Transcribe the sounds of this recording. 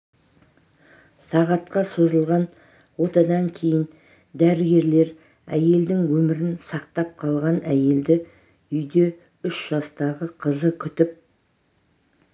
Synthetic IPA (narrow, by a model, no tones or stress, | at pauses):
sɑʁɑt̪qɑso̞zəlˠʁɑn | wo̞t̪ɑd̪ɑŋkʲʰe̞jɪn | d̪æɾɪɡʲe̞ɾle̞ɾ | æ̰je̞ld̪ɪŋwɵmɪɾɪnsɑq̚t̪ɑp̚qʰɑlˠʁɑnæje̞ld̪ɪ | ʏjd̪e̞ | ʏʃʒ̥ɑst̪ɑʁəqʰəzəkʲʰʏt̪ɪp̚